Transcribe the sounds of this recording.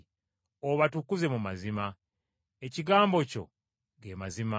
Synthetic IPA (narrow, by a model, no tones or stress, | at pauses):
oβatukuze̞mumazima | eciɡaːmbo̞co̞̰ | ɡe̞ːmazima